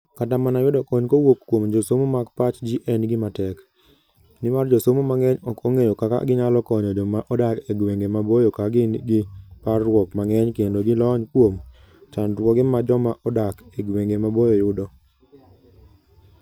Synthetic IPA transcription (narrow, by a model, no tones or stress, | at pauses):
katamanajʊdɔkɔɲkowokːwomd͡ʒosomomakpat͡ʃd͡ʒiʔɛnɡɪmatɛk | nɪmard͡ʒosomomaŋɛɲɔkɔŋejɔkaka̰ɡɪɲalɔkɔɲɔd͡ʒɔmaʔɔdakeɡweŋɡemabojɔkaɡɪnɡɪparwɔkmaŋɛɲkendoɡɪlɔɲkwom | t͡ʃandwɔɡɛmad͡ʒɔmaʔɔdakeɡweŋɡemabojojʊdɔ